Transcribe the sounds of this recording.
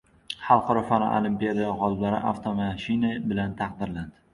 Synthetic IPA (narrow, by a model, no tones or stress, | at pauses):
χɑlˠqʰɒɾɒfanɒ̰ʔo̰lˠimpʲijad̪ajaʁɒlˠɪblaɾɪ̰ʔa̰ft̪ʰomaʃɪnabɪlant̪ʰɑq̚d̪ɪɾland̪ɪ